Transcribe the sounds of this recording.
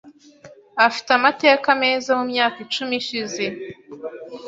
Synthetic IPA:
afi̥tamateakame̞ːzamumɲaːkit͡ʃumiʃize̞

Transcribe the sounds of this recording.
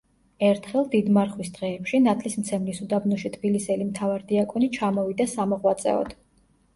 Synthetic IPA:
ɛɾt̪ʰχɛlˠd̪id̪maɾχwisd̪̥ʁɛːpʃinat̪ʰlismt̪sʰɛmlisud̪abnɔʃit̪ʰb̥ilisɛlimt̪ʰavaɾd̪iakʼɔnit͡ʃʰamɔvid̪asamɔʁwat̪sʼɛ̰ɔ̰d̪̥

